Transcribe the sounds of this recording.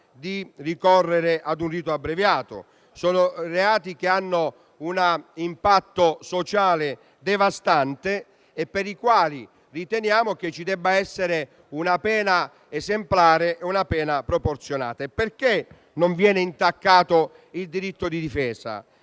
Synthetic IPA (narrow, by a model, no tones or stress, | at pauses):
d̪irikɔrːeɾɪʔad̪unriːt̪oabːɾevjaːt̪o̰ | sɔːnoreaːt̪ikeanːo | unaimpat̪ːosot͡ʃaːlɪ | d̪evast̪ant̪eː | pːeɾikwaːli | rit̪ɛnjaːmok̟et͡ʃːid̪ɛbːaɛsːeɾɪ | unapɛːna | ezemplaːɾeʔeunapɛːnapɾoport̪sjona̰ːt̪aperke | nʊɱvjɛːnɪint̪akːaːt̪ʊ | ild̪iɾit̪ːod̪id̪ifɛːza̰